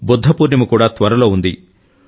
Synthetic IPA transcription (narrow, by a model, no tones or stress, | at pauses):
bud̪ʱːɐpuːɾnimukuːɽaːt̪ʋɐɾɐlo̞ːund̪i